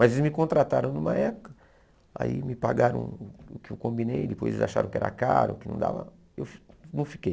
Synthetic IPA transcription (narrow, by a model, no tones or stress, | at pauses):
mɐzelɪzmɪkõnt̪ɾat̪aɾɐ̃w̃nũmɐɛpʊ̥kɐ | a̰imɪpaɡaɾɐ̰̃w̃ʊkɪewkõmbinejd̪ɪpo̰jzḛzaʃaɾɐ̃w̃kɪɛ̰ɾɐ̰kaɾʊ̰ʊkɪnɐ̃d̪a̰vɐ̰ | ewnɐ̃w̃fi̥kej